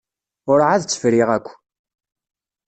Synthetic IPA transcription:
ʊɾʕaðt͡sːə̥fɾiʁækʷː

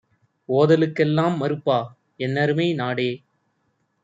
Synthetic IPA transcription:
oːðɐlɯkːɛlːaːmːɐɾɯpːaː | ɛnːɐɾɯmeɪnaːɽeː

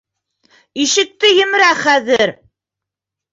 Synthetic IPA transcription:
iʃɘ̆k̚t̪ɘjɘ̆mɘ̆ɾæχæðɘɾ

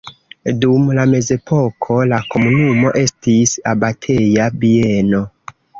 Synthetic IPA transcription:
dumlame̞ze̞pʰo̞kʰo̞lako̞munumo̞ʔe̞stisabatʰe̞jabie̞no̞

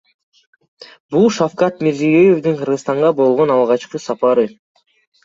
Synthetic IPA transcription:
bulˠʃafkɑt̪meɾzijøjefd̪ɯɴqʰɯɾʁɯst̪ɑɴʁɑbo̞lˠʁo̞nɑlˠʁɑt͡ʃqɯsɑpɑɾɯ

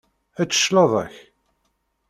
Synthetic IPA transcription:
æt͡sːə̥ʃlɑðˤə̰ç

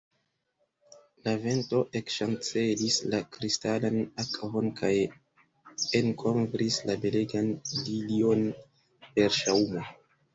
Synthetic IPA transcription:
lave̞nto̞ʔe̞kʃant͡se̞lislakɾistalanakɦonkʰaj | enkʰo̞mvɾislabe̞leɡanlilio̞n | pe̞ɾʃaumo

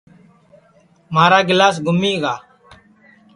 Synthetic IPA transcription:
maːɾaːɡɪlaːsɡʱʊmiːɡaː

